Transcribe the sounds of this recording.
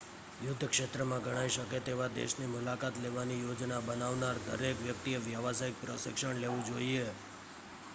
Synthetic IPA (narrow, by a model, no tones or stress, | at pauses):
jʊd̪ʱːkʃet̪ɾəmãɡəɽ̃aiʃəket̪eʋad̪ḛʃnimʊlakat̪leʋanijod͡ʒnabənaʋnaɾd̪ə̰ɾekʋjək̚t̪ijəʋjaʋasaɪk̚pɾəʃɪ̰kʃəɳ̃leʋũd͡ʒoie